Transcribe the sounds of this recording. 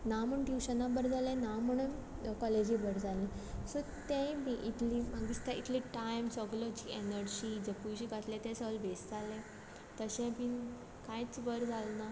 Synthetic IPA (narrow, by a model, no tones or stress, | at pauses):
naməɳʈjuɕənabəɾd͡zalẽnaməɳəkɔled͡ʑibəɾd͡zʱalẽsɔ | t̪ẽmiʔit̪ʰlimaɡist̪aḭt̪ʰliʈajmsəɡlɔd͡ʑienəɾd͡ʑid͡zepujɕiɡʱat̪lẽt̪ẽsəəlbesd͡zalẽ | t̪əɕẽpin | kãjt͡sbəɾd͡zʱalna